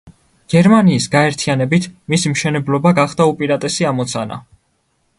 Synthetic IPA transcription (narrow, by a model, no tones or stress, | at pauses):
ɡ̥ɛɾmaniːsɡaɛɾt̪ʰianɛbit̪ʰmisimʃɛnɛblˠɔbaɡaχd̪̥aupʼiɾat̪ʼɛsiamɔt̪sʰana̰